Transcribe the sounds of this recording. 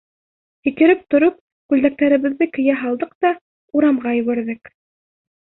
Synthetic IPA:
hɘ̆k̪ɘ̆ɾɘp̚t̪ŏɾop̚ | kʉld̪æk̚t̪æɾɘ̆βɘ̆ðːɘkɘ̆jæɦɑlˠd̪ɤq̚t̪ɑ | uɾɑmʁɑjɵ̆βæɾðɘk

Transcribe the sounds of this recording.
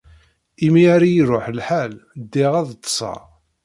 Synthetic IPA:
imiaɾijɾoħlħæld̪ːɪʁæðt̪ːsˤɑ̰

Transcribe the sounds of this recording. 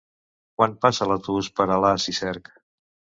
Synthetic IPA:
kwanpasələt̪uspəɾəlasisɛɾk

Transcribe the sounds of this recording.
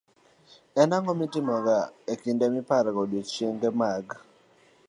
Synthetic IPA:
ɛnaŋɔmitɪmɔɡaekindɛmipaɾɡodot͡ʃeŋɡɛmaɡ

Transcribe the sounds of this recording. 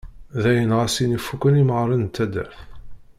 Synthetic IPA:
ðæjənʁasinifukːəniməʁɾˤənt̪ːæd̪æ̰ɾθ

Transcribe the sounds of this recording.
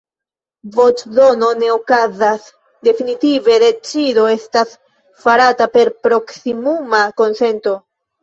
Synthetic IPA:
vo̞t͡ʃzo̞no̞ne̞okazas | de̞finitive̞de̞t͡ʃido̞e̞stas | faɾatape̞ɾpɾo̞ksimumako̞nse̞nto̞

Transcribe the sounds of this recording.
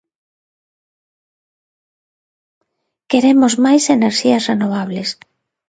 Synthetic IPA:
keɾemozmajseneɾʃiɐsrenoβ̞aβles

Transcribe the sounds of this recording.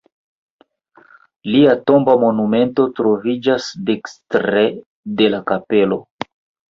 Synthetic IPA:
liato̞mbamo̞nume̞nto̞tɾo̞vid͡ʒasdekstɾe | de̞lakape̞lo̞

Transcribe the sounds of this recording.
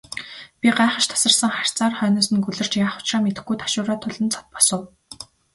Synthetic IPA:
pʲiɢaːχə̆ʃt̪ʰḁsə̆rsə̆ŋχar̥ʲt͡saːrχœːnʊːsɘ̆nkɵɮɘ̆r̥t͡ɕjaːχʊ̥t͡ɕraːmet̪ɘ̆xɡujt̪ʰḁʃʊːɾaːt̪ʰʊɮə̆nt͡sʰɔ̥t̪̚pɔ̥sə̆w

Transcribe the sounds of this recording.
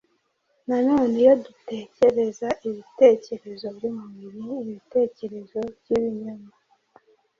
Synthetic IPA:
nanoːnijodute̞ːce̞ɾe̞zaʔiβite̞ːce̞ɾe̞zo̞βɾimuβiɾiːβite̞ːce̞ɾe̞zo̞bjiβiɲoma

